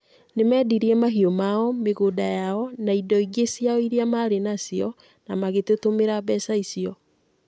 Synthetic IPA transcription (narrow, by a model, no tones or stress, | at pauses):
nemɛːdiɾiɛmaɦiomaɔmeɣodajaɔnaidɔiɡesiaɔiɾiamaɾenasiɔ | namaɣetotomeɾabɛsaisiɔ